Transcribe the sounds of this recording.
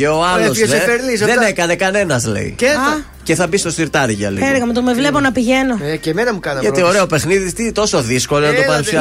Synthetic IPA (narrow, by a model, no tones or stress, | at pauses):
eoɐlososefeɾnisðenekɐne̞kɐne̞nɐzlḛḭe | ce̞θɐbist̪o̞st̪iɾt̪ɐɾʝɐlḛeɾɣɐmet̪omevle̞ponɐpiʝenoecemenɐmukɐnɐʝɐt̪ioɾeopexniðist̪int̪o̞so̞ðisko̞lonɐt̪opɐɾssi